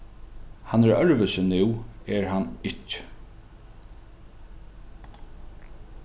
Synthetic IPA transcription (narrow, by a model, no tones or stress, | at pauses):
hanːɛɾœɹvəsɪnɪwɛɹhanːɪcː